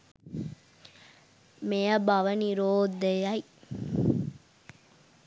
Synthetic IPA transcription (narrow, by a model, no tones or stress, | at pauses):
mejɐbɐʋɐniɾoːd̪ejɐi